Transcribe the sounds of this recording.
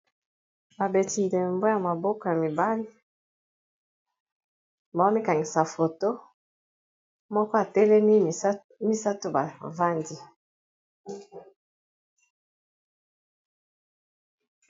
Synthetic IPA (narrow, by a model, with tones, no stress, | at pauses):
ba˨be˨ti˨n˨dɛ˨mbo˦ja˨ma˨bo˦ko˨ja˨mi˨ba˦li˦ | ba˨˦mi˦ka˨ŋɡi˨sa˨fo˨to˦ | mɔ˦kɔ˦a˨tɛ˦lɛ˦ni˦˨˦ | mi˦sa˦to˦ba˨va˦ndi˦